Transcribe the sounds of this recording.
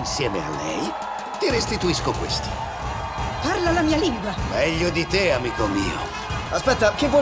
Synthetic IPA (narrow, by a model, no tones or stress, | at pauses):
nsjɛːmea̰lːɛ̰j | t̪iɾest̪it̪uiskokwḛst̪i̥ | parlalamiːaliŋɡwamɛʎːod̪it̪eamiːkomḭːo̰ | aspɛt̪ːak̟ɪvːɔ